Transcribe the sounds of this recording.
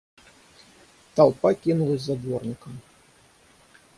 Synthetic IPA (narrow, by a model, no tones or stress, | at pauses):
t̪alˠpakʲinulˠɐzʲzad̪vɔrnʲikɐm